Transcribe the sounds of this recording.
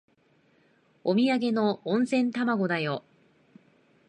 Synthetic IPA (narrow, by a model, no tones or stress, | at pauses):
omʲiaɡe̞nõ̞ːñsẽ̞nt̪amaɡo̞d̪ajo̞